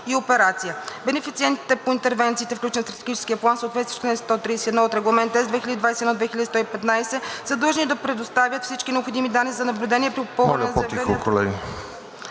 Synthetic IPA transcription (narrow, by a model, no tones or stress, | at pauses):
iopɛɾat̪sijəbɛnɛfit̪siɛnt̪i̥t̪ɛpoint̪ɛɾvɛnt̪siːt̪ɛfklut͡ʃɛnst̪ɾɐt̪ɛɡit͡ʃɛ̥skʲijəplˠansoːt̪vɛt̪vi̥ʃt̪onɛst̪ɔt̪ɾisiɛd̪nɔot̪ɾɛɡlˠɐmɛnt̪ɛzd̪vɛxilʲəd̪id̪vajsɛd̪nɔd̪vɛxilʲəd̪ist̪ɔipɛt̪najsɛsəd̪ˠʒnid̪ɐpɾɛd̪ost̪avʲjət̪fsit͡ʃkinɛopxod̪imid̪anːizɐnɐblʲʊd̪ɛniɛpɾipopɤlˠmvlzpot̪ikolɛ̰ɡi